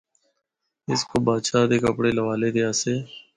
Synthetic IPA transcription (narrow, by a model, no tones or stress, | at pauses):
ɪskoːbaːʃaːd̪eːkəpɽeːləʋaːleːd̪eaːseː